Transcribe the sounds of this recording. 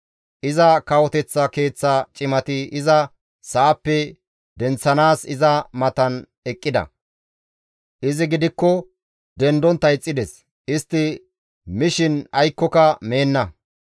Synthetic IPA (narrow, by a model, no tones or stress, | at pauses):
ʔɪzɐkɐwɔt̪ɛt͡sːɐke̞ːt͡sːɐt͡ʃʼɪmɐt̪ɪɪzɐ | saːpːɛ | d̪ɛnt͡sːɐnaːsɪzɐmɐt̪ɐn | ɛkʼːɪd̪ɐ̰ | ʔɪzɪɡɪd̪ɪkːɔ | d̪ɛnd̪ɔnt̪ːɐjt͡sʼːɪd̪ɛs | ʔɪst̪ːɪ | mɪʃɪnɐjkːɔkɐme̞ːnːɐ